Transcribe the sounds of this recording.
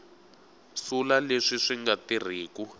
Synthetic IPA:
sulaleʂiʂiŋɡatir̤iːku

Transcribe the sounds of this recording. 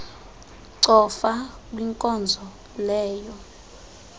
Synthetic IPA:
ǀɔfak̬ʼwiŋkʼɔnd͡zʱɔ | lɛːjɔ

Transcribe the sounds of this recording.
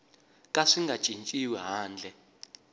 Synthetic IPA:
kʼaʂiŋɡḁʒ̥ʱʼint͡ʃʼiwɛɦaːnd͡ɮʱɛ

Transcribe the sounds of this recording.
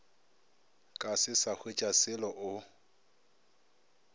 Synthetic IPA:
kʼasɪsak͡xʰwet͡ʃʼasɪlɔʔʊ

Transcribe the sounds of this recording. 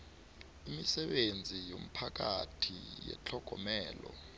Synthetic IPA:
imisɛɓend͡zʱijom̩pʰak̬atʰijɛ̰t͡ɬʰɔɡ̥ʱɔmɛːlɔ

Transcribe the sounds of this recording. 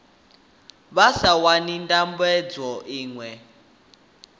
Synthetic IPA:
βasawanindʼambɛd͡zɔʔiːŋwɛ

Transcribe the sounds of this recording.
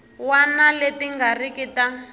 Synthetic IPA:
wanaletiŋɡarikita

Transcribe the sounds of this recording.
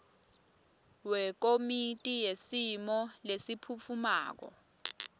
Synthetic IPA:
wɛk̬omitʼijesimɔlesipʰufʰuma̰ːk̬ɔ̰

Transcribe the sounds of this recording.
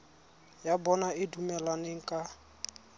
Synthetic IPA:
jabɔnaɪdumɛlaneŋ̩kʼa

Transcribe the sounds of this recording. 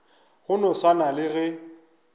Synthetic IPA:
ɣʊnɔsanalɪɣɛ

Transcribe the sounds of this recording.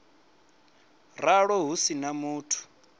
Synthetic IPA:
raɺɔɦusinamuːtʰu̥

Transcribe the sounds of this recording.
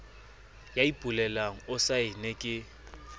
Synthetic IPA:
jaipʼulɛlaŋ̩ʊsaɪnekʼɪ

